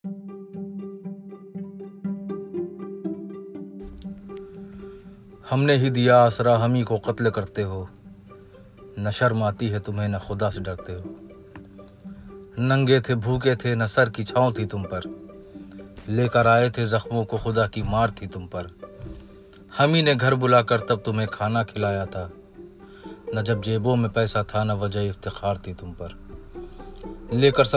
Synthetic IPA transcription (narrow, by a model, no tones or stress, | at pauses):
hɐmneɦid̪ijaːsɾaɦɐmikoqɐt̪lkɐɾt̪eɦoː | nɐʃəɾmaːt̪iɦɛt̪ʊmɦenɐxʊd̪aseɖɐɾt̪eɦoː | nɐ̃ŋɡet̪ʰebʱuːk̬et̪ʰenɐsəɾkit͡ʃʰaːõt̪ʰit̪ʊmpəɾ | leːkəɾaːet̪ʰezɐxmõkoxʊd̪akimaːɾt̪ʰit̪ʊmpɐɾ | hɐmineɡʱɐɾbʊlaːkɐɾt̪ɐb̚t̪ʊmɦẽkʰaːnakʰɪlaːjat̪ʰaː | nɐd͡ʒɐb̚d͡ʒeːbõmẽpɛːsat̪ʰanɐʋɐd͡ʒəɦiɪft̪ɪxaːɾt̪ʰit̪ʊmpɐɾ | leːkəɾs